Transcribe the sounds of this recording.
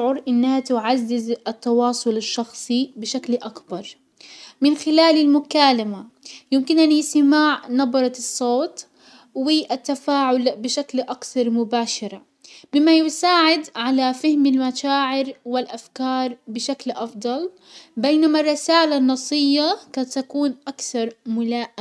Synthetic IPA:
ʕʊɾʔɪnːahat̪ʊʕazːɪzʔɪt̪ːɑwɑːsˤʊlɪʃːɑxsˤibɪʃaklʔakbɑɾˤ | mɪnxɪlaːlɪlmʊkaːlamajɪmkɪnʔanjɪsɪmaːʕnɑbɑɾˤɑsˤːoːt̪ | wɪʔat̪ːafaːʕʊlbɪʃaklʔakθɑɾˤmʊbaːʃɑɾˤa | bɪmːajɪsaːʕɪd̪ʕalafɪhmɪlmaʃaːʕɪɾwɪlʔafkɑːɾˤbɪʃaklʔɑfd̪ˤɑl | bejnamarˤːɪsaːlanːɑsˤɨjːakat̪akuːnʔakθɑɾˤmʊlaːʔa

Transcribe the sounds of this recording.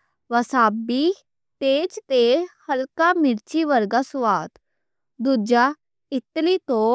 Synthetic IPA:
ʋəsabi | t̪ed͡zt̪ehəlkamiɾt͡ɕiʋəɾɡasuʋat̪ | d̪ud͡ʑa | it̪lit̪o

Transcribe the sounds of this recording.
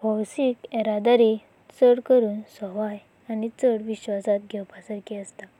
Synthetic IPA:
bʱɔwsikɛɾad̪aɾi | t͡səɽkəɾuːnsɔʋaj | anit͡səɽʋiɕʋasat̪ɡʱɛwpasəɾkɛəst̪a

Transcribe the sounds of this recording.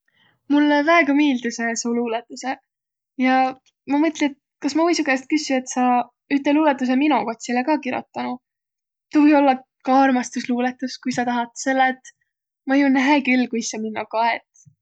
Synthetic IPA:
mulːvæeɡ̥ɑmiːld̪̥usesoluːlet̪ːˑuse | jɑ | mɑmɤt̪liet̪ | kɑsmɑvujsuɡest̪̚kysie̞t̪ːsɑ | yt̪ːˑeluːlet̪ːˑus̬eminuko̞t̪ʲsilekɑːkiɾo̰t̪ːɑnu | t̪ovɯjolːɑ | kɑɑrmɑst̪usluːlet̪ːˑuskujsɑt̪ɑɦɑt̪ːselːet̪ˑ | mɑjunːæɦekylːkuisːɑminːɑkɑḛt̪ˑ

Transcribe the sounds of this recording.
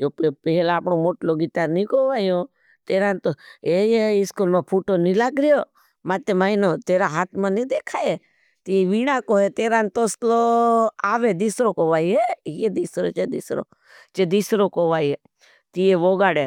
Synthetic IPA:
jopepɛɦɛlaːpɳomoʈloɡɪt̪aɾnĩkoʋajo | t̪eɾãnt̪oejeiskulmãpʰuʈonilaɡɾjo | mat̪emainot̪eɾaɦat̪ʰmãnĩd̪ekʰae | t̪ieʋiɽãkoɦet̪eɾãnt̪osloaːʋed̪isɾokoʋaiejed̪isɾot͡ʃed̪isɾo̰ | t͡ʃed̪isɾokoʋaie | t̪ieʋoɡaɽe

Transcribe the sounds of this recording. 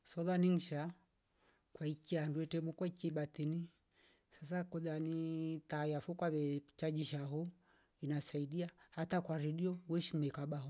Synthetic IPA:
sɔðaniŋ̩ʃa | kwaikianduɛtɛmukwaikiɓat̪ini | sas̬akɔðanitajafukwaβɛt͡ʃad͡ʒiʃaɦu | inasaiɗiahatakwaɾɛɗiɔwɛʃimɛkaɓaɦɔ

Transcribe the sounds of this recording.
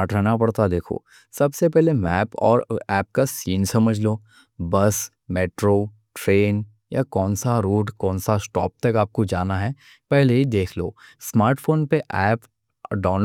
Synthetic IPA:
ʈɾɛːnapɐɽt̪ad̪eːkʰo̰ː | sɐbsepɛɦlemɛːpɔ̰ːɾɛːp̚kasiːnsɐməd͡ʒʱloː | bɐs | meːʈɾo | ʈɾeːn | jakɔːnsaɾuːʈkɔ̃ːnsasʈɔːp̚t̪ɐkaːp̚kod͡ʒaːnaɦɛ | pɛɦleɦid̪eːkʰlo̰ːsmaːɾʈfoːnpeʔɛːp | ɖɔːn

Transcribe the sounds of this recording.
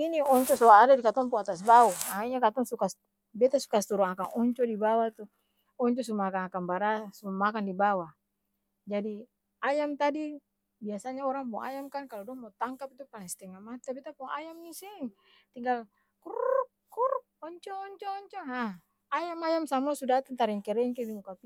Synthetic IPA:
iniɔɲt͡ʃɔsɔaːdadikat̪ɔmpɔat̪asbauaiɲakat̪ɔŋsukas | bɛt̪asu̥kast̪uɾɔŋakaŋɔɲt͡ʃɔdibawat̪u | ɔɲt͡ʃɔs̬umaakaŋakanbaɾasumamakandibawa | d͡ʒadi | ajamt̪adi | biasaɲaɔɾaŋpɔŋa̰jamkankalɔdɔŋmɔt̪aŋkapit̪upanast̪ɛŋamat̪abɛt̪apɔŋa̰jamnisiŋ | t̪iŋɡal | kurk̚ | kuɾk̚ɔɲt͡ʃɔːɲt͡ʃɔːɲt͡ʃɔɦa | ajamajamsamasudat̪ant̪aɾɛŋkɛɾɛŋkɛdimukapi

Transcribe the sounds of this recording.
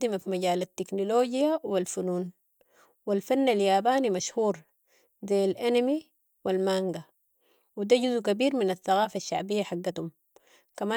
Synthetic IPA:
d̪imafimaɟaːlat̪ːiknoloːɟijawilfunuːn | wilfanːaljaːbaːnimaʃhuːɾ | zejalʔanami | wilmaŋɡa | wid̪aɟuzukabiːɾminaθːaɣaːfaʃːa̰ʕbijːaħaɡːat̪um | kamaː

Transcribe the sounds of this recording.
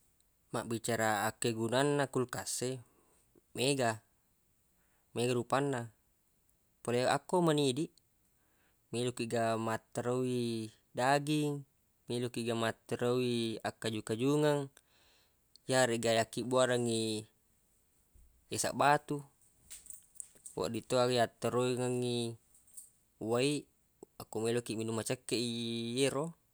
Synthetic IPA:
maʔbit͡ʃaɾaːkːeɡunanːakulkasːe | meɡa | meɡaɾupanːa | polea̰kːomanidiʔ | milukiʔɡamat̪ɾoi | daɡiŋ | milukiʔɡamat̪ɾawiakːad͡ʒukad͡ʒuŋaŋ | jaɾeʔɡajakːibuaɾaŋi | esa̰ʔbat̪u | wʔa̰ʔdit̪oakiat̪ːəɾoiŋaŋi | waiʔ | akːomilokiʔminumat͡ʃəkːeʔijeɾo

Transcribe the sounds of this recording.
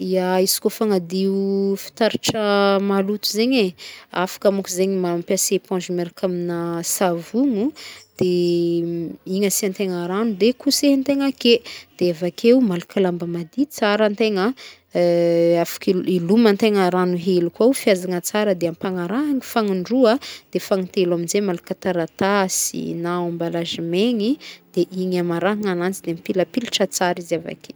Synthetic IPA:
iaisi̥kofaŋad̪iufi̥t̪aɾiʈ͡ʂəmalut̪uzeɲeafḁkamukuzeɲimampasepɔ̃ʒumeɾkaminəsavuŋud̪̥e | iɲəsiant̪eŋaɾanud̪ekusent̪eŋaked̪̥eavakʰeumalukʰalambəmad̪it͡saɾənt̪eŋə | afḁkiilumant̪eŋəɾanuɦelukawfiazaŋət͡saɾəd̪eampaŋaɾaɦaŋifaŋuɳɖ͡ʐuəd̪̥efaŋit̪elaminzemalukat̪aɾat̪asḭnaambalazimeŋid̪̥eʔiŋamaɾaɦaŋanant͡sid̪eampiləpiluʈ͡ʂat͡saɾizava̰ke

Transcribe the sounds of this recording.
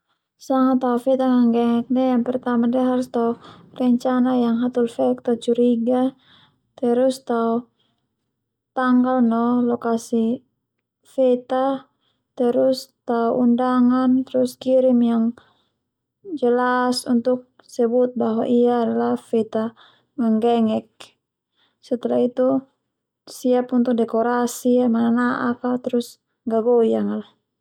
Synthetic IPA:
saŋat̪aufɛt̪aŋaŋɡɛŋɛk̚dɛajaŋpɛrt̪amadiaɦaɾust̪aurɛɲt͡ʃanajaŋɦat̪ulfɛk̚t̪at͡ʃuɾiɡa | t̪ɛɾust̪au | t̪aŋɡalnɔlɔkasi | fɛt̪a | t̪ɛɾust̪auundaŋant̪ɛɾuskiɾimjaŋ | d͡ʒəlasunt̪uk̚ | sɛbut̪̚baɦwaʔiaːdalafɛt̪a | maŋɡɛŋɛk̚ | sɛt̪ɛlait̪u | siapunt̪uk̚dɛkɔɾasiamananaʔakat̪ɛɾus | ɡaɡɔjaŋal

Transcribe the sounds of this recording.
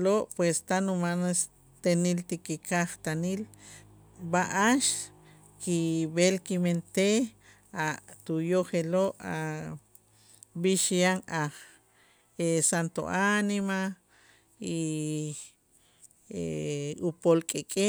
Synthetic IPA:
loʔpwest̪anumanes | t̪enilt̪ikikʰaχt̪anil | baʔaʃ | kiβelkiment̪e | at̪ujoχeloʔa̰ | biʃjaŋaχ | esant̪o̰ʔanima | i | eupolkʼekʼe

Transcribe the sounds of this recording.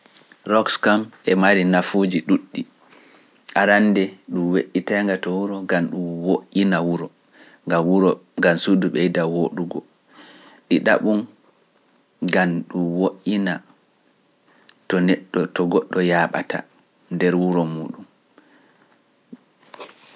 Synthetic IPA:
ɾɔkskamʔɛmaɾinafud͡ʒiɗuɗːi | ʔaɾanːdɛɗumweʔːitaŋɡatɔwuɾɔɡamɗumwoʔinawuɾɔ | ŋɡawuɾɔŋɡamsuduɓɛjidawoɗuɡɔ | ɗiɗa̰ɓun | ɡamɗumwoʔina | tɔnɛɗːɔtɔɡɔɗːɔjaːɓa̰ta̰ | ndɛɾwuɾɔmuːɗum

